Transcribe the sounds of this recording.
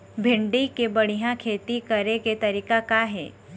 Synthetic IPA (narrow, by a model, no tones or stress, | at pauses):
bʱɪ̃ɳɖikebɐɽ̤ijãkʰeːt̪ikɐɾeket̪ɐɾiːkakaɦɛ̰ː